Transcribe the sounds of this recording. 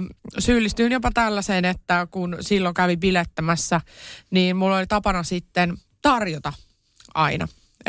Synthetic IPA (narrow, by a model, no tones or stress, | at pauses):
syːlːist̪yːnjopɑt̪ælːæseːnet̪ːækunsilːokæʋipilet̪ːæmæsːæniːnmulːolit̪ɑpɑnɑsit̪ːen | t̪ɑrjot̪ɑ | ɑ̰inɑ̰